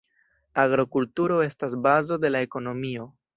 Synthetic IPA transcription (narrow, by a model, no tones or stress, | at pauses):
aɡɾokultuɾo̞e̞stasbazo̞de̞lae̞ko̞no̞mio̞